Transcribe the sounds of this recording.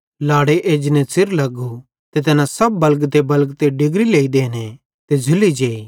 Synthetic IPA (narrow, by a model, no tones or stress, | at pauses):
laːɽeʔeːd͡ʒnɛ̃sɪɾlɐɡu | t̪et̪ɐnãsɐb̚ːɐlɡt̪ebɐlkt̪eɖɪɡɾileːid̪eːne | t̪ed͡ʒʱʊlid͡ʒeːi